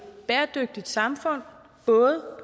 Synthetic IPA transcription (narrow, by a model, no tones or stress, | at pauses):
b̥ɛːɐd̥øɡ̥̚d̥id̥sɑ̈mfɔ̽n̰ | b̥ɔ̽ːð̩ˠə